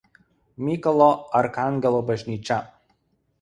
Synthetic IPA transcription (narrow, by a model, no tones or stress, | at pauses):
mʲiːkɔlˠɔɐɾkaŋʲɡʲɛlˠɔbɐʒʲnʲiːt͡ʃʲɛ